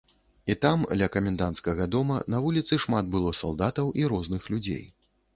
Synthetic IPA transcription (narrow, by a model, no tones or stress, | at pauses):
it̪amd̪lʲɐkɐmʲɛnd̪ant̪skɐɣɐd̪ɔmɐnɐvulʲit̪sɨʂmat̪̚bɨlˠɔsa̰lˠd̪at̪ɐwʔiɾɔznɨxlʲud͡zʲḛj